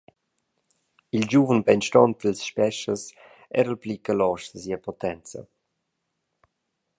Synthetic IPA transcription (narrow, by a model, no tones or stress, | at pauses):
ild͡ʒuvənbɛnʃtɔnt̪̚d̪əlsʃpɛʃəs | ɛ̰ɾəlplikəlɔʃd̪əsiəpɔt̪ɛnt͡sə̰